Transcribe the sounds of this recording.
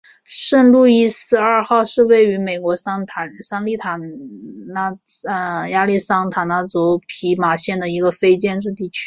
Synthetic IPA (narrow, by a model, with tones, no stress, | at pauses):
ʂə˥˧nlu˥˧i˥sɹ̩˥˧ɐ˞˥˧xɑ˥˧ʊʂɻ̩˥˧we˥˩ɪy˧˥me˨˩ɪkwɔ˧˥sʰsɑ˥ŋli˥˩t̪ʰa˨˩na˥ə˧ja˥li˥˩sɑ˥ŋt̪ʰa˨˩nna˥˩t͡sɔ˧˥ʊpʰi˧˥ma˨˩ɕjɛ˥˩nd̪ə˩i˧˥ɡə˧fe˥ɪt͡ɕjɛ˥˧nʈ͡ʂɻ̩˥˧t̪̬i˥˩t͡ɕʰy̥˥